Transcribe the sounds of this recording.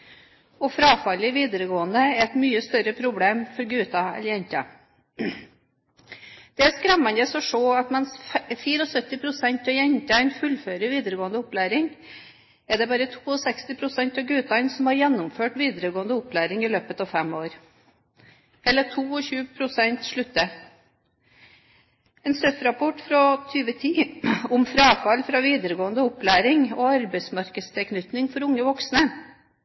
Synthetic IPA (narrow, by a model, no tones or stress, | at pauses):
ɔfɾɑːfɑlɪʋiːd̪əɾəɡoːənd̪əɛɾɛt̪myːəst̪œɾəpʰɾʊbleːmfɔɾɡʉːt̪ɑɛ̰ljɛɲt̪ɑ̰ | d̪̥ɛæskɾɛmːɑnd̪əsɔʂoːɑt̪mɛnsfiːɾəɔsœt̪ːɪpʰɾʊsɛɲt̪ɑjɛɲt̪ɑɪnfʉlːføːɾəʋiːd̪əɾəɡoːənd̪əʊplæːɾɪŋ | ɛɖɛbɑːɾət̪ʰuːɔsɛkst̪ɪpʰɾʊsɛnt̪ɑʋɡʉːt̪ɑɪnsɔmhɑɾjɛnːʊmføːʈʋiːd̪əɾəɡoːənd̪əʊplæːɾɪŋɪløːpət̪ɑːʋfɛmoːɾ | ɛlːəʈʰuːɔçʉːpʰɾʊsɛnt̪ʂɭʉt̪ːə | ɛːnsœfɾɑpʰɔʈfɾɔt̪ʰyːʋət̪ʰiːɔmfɾɑːfɑlfɾɑːʋiːd̪əɾəɡoːənd̪əʊplæːɾɪŋɔɑɾbæɪsmɑɾkəst̪ʰɛlkʰnʏt̪nɪŋfɔɾʊŋːəʋɔksnə